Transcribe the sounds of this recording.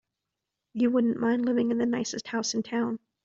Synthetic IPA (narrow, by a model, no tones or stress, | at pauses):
jɨwʊdⁿn̩mãɪ̃ndˡlɪvɪ̃ŋɨ̃nðɨnaɪsɨst̚haʊsn̩tʰãʊ̃n